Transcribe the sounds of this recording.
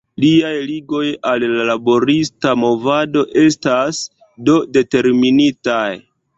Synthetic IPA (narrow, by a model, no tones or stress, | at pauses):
liajliɡo̞jalːalabo̞ɾistamo̞vado̞ʔe̞stas | do̞de̞te̞ɾminitaj